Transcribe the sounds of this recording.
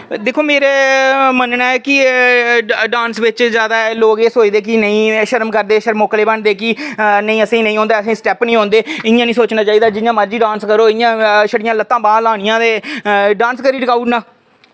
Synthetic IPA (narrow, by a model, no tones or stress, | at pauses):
d̪eːkʰoːmeːɾeːmənnaːɛːkɪ | ɖãːnsʋɪt͡ʃzjaːd̪aːloːɡeːsoːid̪eːk̬ɪnəĩːʃəɾmkəɾd̪eːʃəɾmoːkleːbəɳd̪eːkɪnəĩːəsĩːnə̃ĩɦõːnd̪aːəsĩːsʈɛːpnĩːɦõːnd̪eːɪjãːnĩːsoːt͡ʃnaːt͡ʃaːiːd̪aːd͡ʒɪjãːməɾd͡ʒiːɖãːnskəɾoːɪjãːʃəɽɪjãːlət̪ːãːbãːlaːnɪjãːd̪eːɖãːnskəɾiːɖɪkaːuʈnãː